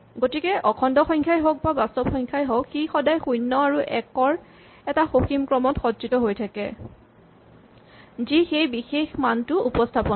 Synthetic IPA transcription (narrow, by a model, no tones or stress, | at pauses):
ɡotikɛʔɔkʰɔndɔxɔjŋkʰajɦɔk̚babastɔbxɔjŋkʰajɦɔkxixɔdajxujnːɔaɹuʔɛkɔɹ | ɛtaxoximkɹɔmɔtxɔdzitɔɦojtʰakɛ̰ | zixejbixexmantʊupɔstʰapɔ